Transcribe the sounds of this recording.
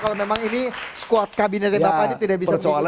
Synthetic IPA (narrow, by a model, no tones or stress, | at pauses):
kalomemaŋiniskuat̪̚kabinɛt̪ɛbapainat̪idaʔbissasoal